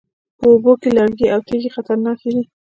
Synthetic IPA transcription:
pəobokelaɽɡiawt̪eɡixat̪aɾnɑked̪i

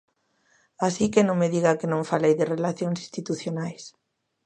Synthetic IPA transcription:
asikenõŋmeðiɣakenõɱfalejðɪrelaθjõŋsi̥st̪it̪uθjonajs

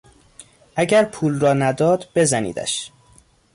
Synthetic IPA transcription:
ʔæɟæɾpʰuːlrɒːnæd̪ɒːd̪b̥e̞zænḭːd̪æ̰ʃ

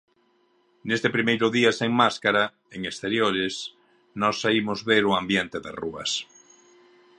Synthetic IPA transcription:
nest̪epɾimejɾʊðiaseŋmaskaɾa | eŋest̪eɾjoɾes | nɔsːaimʊzβeɾʊambjent̪eðeruɐ̰s

